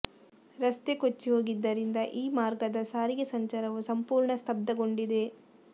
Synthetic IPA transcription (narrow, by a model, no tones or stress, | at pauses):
ɾɐst̪ekot͡ʃːiɦo̞ːɡid̪ːɐɾind̪ɐʔiːmaːɾɡɐd̪ɐsaːɾiɡesɐɲt͡ʃɐɾɐʋusɐmpuːɾɳɐst̪ʰɐb̚d̪ɐɡo̞ɳɖid̪e̞